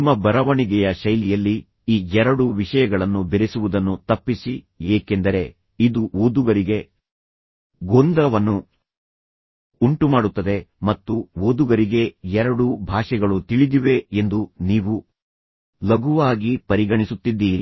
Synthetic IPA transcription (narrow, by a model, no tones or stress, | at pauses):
mːɐbɐɾɐʋɐɳiɡɛjɐʃɐjlijɐlːi | iːɛɾɐɽuʋiʂɐjɐɡɐɭɐnːubeɾesuʋud̪ɐnːut̪ɐpːisi | jeːke̞nd̪ɐɾe̞ | id̪uoːd̪uɡɐɾiɡe̞ | ɡoːnd̪ɾɐʋɐnːu | uɳʈumaːɽut̪ːɐd̪e̞mɐt̪ːuʋoːd̪uɡɐɾiɡe̞ɛɾɐɽubʱaːʃɛɡɐɭut̪iɭid̪iʋe̞end̪uniːʋu | lɐɡuʋaːɡipɐɾiɡɐɳisut̪ːid̪ːiːɾi